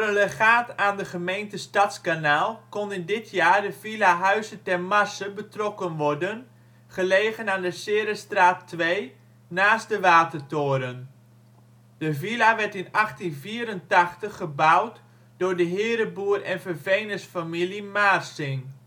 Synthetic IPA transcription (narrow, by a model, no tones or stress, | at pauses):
prələxaːtaːndəχəmejntəstɑtskanaːlˠkɔnəndɪtʰjaːrdəvilaɦœɥzətɛrmasəbətrɔkənʋɔrdən | χəleːɣənaːndəsɪːɾəstraːtːʋej | naːsdəʋaːtərtoːɾən | d̥əvilaʋɛɹtɪnɑχtinviːɾəntɑxtəχəbawt | dʊːɹdəɦɪːɾəbuərɛnfərvejnəsfamilimaːrsɪŋ